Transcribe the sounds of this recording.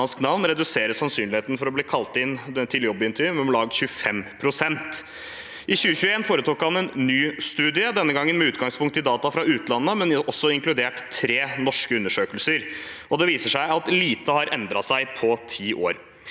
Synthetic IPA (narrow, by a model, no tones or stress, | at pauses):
ɑnsknɑʋnɾɛd̪ʉseːɾəsɑnsyːnlɪheːt̪ən̩fɔɾɔbliːkʰɑlt̪ɪnt̪ʰɪljɔbːəɪnt̪ʰɾmɔmlɑːɡ̪̚ɕʉəfɛmpʰɾʊsɛnt̪ | ʔɪçʉːəçʉəeːnfoːɾət̪ʰuːkhɑnɛnːyːst̪ʉːd̪ɪəd̪ɛnːəɡɑŋːənmɛʉːt̪ɡɑŋspʰʊŋkt̪ɪd̪ɑːt̪ɑfɾɑʉːt̪lɑnːəmɛnɔsːɔɪŋklʉd̪eːʈt̪ʰɾeːnɔʂkəʉnːəʂøːkəlsəɾ | ɔd̪ɛʋiːsəʂæɪɑt̪liːt̪əhɑɾʔɛnd̪ɾɑsæɪpʰɔt̪ʰiːʔoːɾ